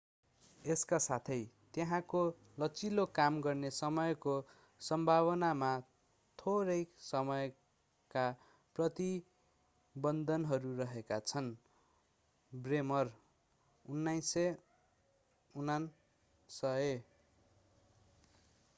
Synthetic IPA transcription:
eskasat̪ʰʌjt̪jeɦãko | lʌt͡silokamɡʌrnesʌmʌjko | sʌmbʱaβʌnama | t̪ʰoɾʌjsʌmʌj | ka | prʌt̪i | bʌnd̪ʱʌnɦʌɾurʌɦekat͡sʰʌn | bremʌr | unːajsʌ | unan | sʌe

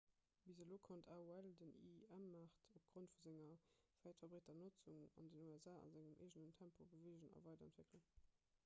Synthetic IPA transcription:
bizəloːkʰontʰaːuældənḭæmːaːχtʰop̚ɡ̥ʁontfuzæŋɐfæɪtfɐbʁeːtɐnot͡suŋɑ̰ndənuæzaːɑ̰nzæŋəmʔḛɪʒənəntʰæmpʰobəveːʒənɑ̰vɑˑɪdɐæntveklən

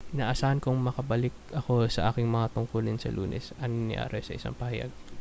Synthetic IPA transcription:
ʔɪnaːʔɐsaːhɐnkoŋmɐkɐbɐlɪk̚ɐko̞sɐʔaːkɪŋmɐŋat̪ʊŋkʊlɪnsɐ̰lṵːnʔɛ̰sɐŋnɪ̰ja̰ːɾɛsɐ̰ʔɪsa̰ŋpɐhɐja̰ɡ̚

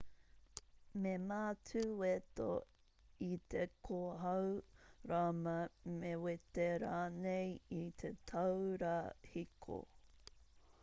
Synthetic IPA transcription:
memaːtʰʉwet̪o̰ | it̪ekʰoɦɐwɾamɐmewet̪eɾaːnejit̪ʰet̪ʰɐwɾahikʰo̰

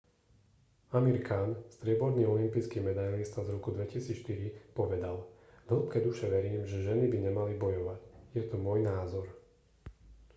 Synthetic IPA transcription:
amiɾkʰaːnst̪ɾɪɛbɔɾniːɔlimpiːskiːmɛd̪ajlist̪azɾɔkud̪ʋɛcisiːt͡sʃt̪iɾipɔʋɛd̪alɦl̩pkɛːd̪uʃɛʋɛɾiːmʒɛʒɛnibiɲɛmalibɔjɔʋacjɛt̪ɔmɔjnaːzɔɾ

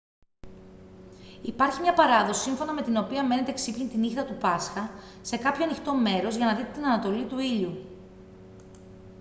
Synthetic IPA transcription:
ipɐɾçimɲɐpɐɾɐðo̞si̥siɱfo̞nɐme̞t̪ino̞piɐme̞ne̞t̪eksipçint̪inixt̪ɐt̪upɐsxɐ | se̞kɐpço̞ɐnixt̪o̞me̞ɾo̞zʝɐnɐðit̪et̪inɐnɐt̪o̞lit̪uiʎu

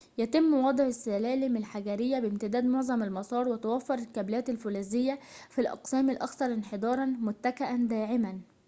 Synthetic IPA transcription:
jæt̪ɪmːwɑd̪ˤʕɪsːælæːlɪmɪlħaɡæɾɪjːæbɪmt̪ɪd̪æːd̪moʕzˤɑmɪlmɑsˤɑːɾˤwɪt̪awæfːɑɾˤɪlkæblæːt̪ɪlfʊlæːzɪjːæfilʔɑ̰qsæːmɪlʔɑkθɑɾˤɪnħed̪ˤɑːɾˤɑnmʊt̪ːækaʔænd̪æːʕɪmæn

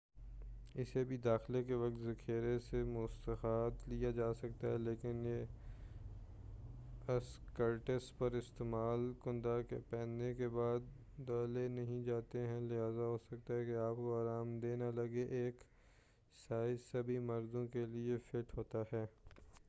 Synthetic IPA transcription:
ɪsebʱid̪aːxlekeʋɐk̚t̪zɐkʰeːɾesemʊst̪əxaːt̪lijad͡ʒaːsɐk̚t̪aɦɛleːkɪnje | ɐskəɾʈəspɐɾɪst̪eːmaːlkʊ̃nd̪akḛpɛ̃ːnekebaːd̪ː | aːlenɐɦĩd͡ʒaːt̪eɦɛ̃lɪɦaːzaɦoːsɐk̚t̪aɦɛkeaːp̚koaːɾaːmd̪eːnalɐɡeʔeːk | saːɪsɐbʱimɐɾd̪õkeliefɪʈɦoːt̪aɦɛː

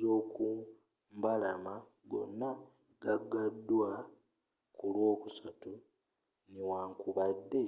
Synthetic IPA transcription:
oːku | mbalama | ɡo̞̰nːa | ɡaɡadːwa | kulwo̞ːkusatu | niwaːŋkuβadːe̞

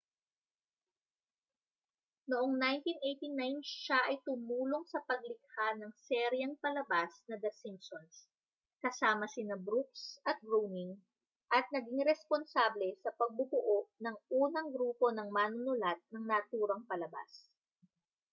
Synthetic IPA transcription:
noʔoŋnajnt̪inʔejt̪inajnʃaʔɐjt̪ʊmuːlo̞ŋsɐpɐɡ̚lɪk̚hanɐŋsɛɾjɐŋpɐlɐbasnɐd̪ɐsinsons | kɐsaːmɐsɪnɐbɾuk̚sʔɐt̪̚ɡɾownɪŋ | ʔɐt̪̚nɐɡɪŋɾɛsponsablɛsɐpɐɡ̚bʊbʊʔoʔnɐŋʔuːnɐŋɡɾuːpo̞nɐŋmaːnʊnʊlat̪̚nɐŋnɐʔt̪uːɾɐŋpɐlɐba̰s

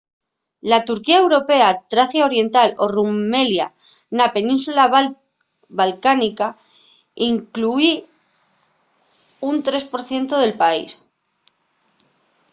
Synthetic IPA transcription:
lat̪uɾkiae̞wɾo̞pe̞at̪ɾaθjao̞ɾje̞nt̪alo̞rume̞lja̰ | nape̞nĩnsula | balkanika | iŋklui | unt̪ɾe̞spo̞ɾθje̞nt̪oðe̞lpaḭs

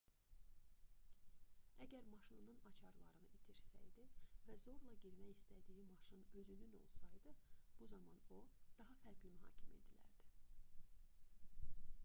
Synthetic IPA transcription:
æɟæɾmɑʃɯnnɯnɑt͡ʃʰɑɾlˠɑ̰ɾɯnɯʔit̪ʰiɾsæ̰jd̪ivæzo̞ɾlˠɑɟiɾmæjist̪ʰæd̪ijimɑʃɯnø̞zynyno̞̰lˠsɑjd̪ɯb̥uzɑmɑno̞d̪̥ɑɦɑfæɾɡlimyɦɑ̰ːcʰimḛd̪ilæ̰ɾd̪̥i

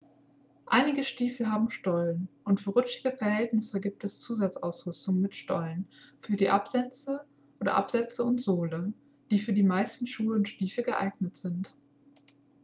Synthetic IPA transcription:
ʔaɪnɪɡəʃtiːfl̩ɦaːbm̩ʃtɔlənʔʊntfyːɐʁʏt͡ʃɪɡəfɛɐhɛltnɪsəɡiːp̚tʰɛst͡suːzat͡saʊsʁ̥ʏstʊŋənmɪtʃtɔ̰lənfyːɐdiːʔapz̥ɛt͡sə | ʔoːdɐ̰ʔa̰pz̥ɛt͡səʊntz̥oːlə | d̥iːfyːɐdiːmaɪstn̩ʃuːəʊntʃtiːfləɡəʔa̰ɪɡnətz̥ɪnt

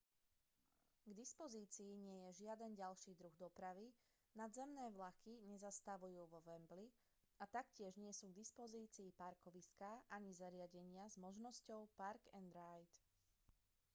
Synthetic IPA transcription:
ɡd̪ispɔziːt͡siːɲɪɛjɛʒɪad̪ɛnɟalʃiːd̪ɾuɣd̪ɔpɾaʋi | nad̪zɛmnɛːʋlakiɲɛzast̪aʋujuːʋɔʋɛmbli | at̪akcɪɛʒɲɪɛsuːɡ̚d̪ispɔziːt͡siːpaɾkɔʋiskaʔaɲizaɾɪaɟɛɲɪazmɔʒnɔscɔʊpaɾɡɛnd̪ɾajt̪

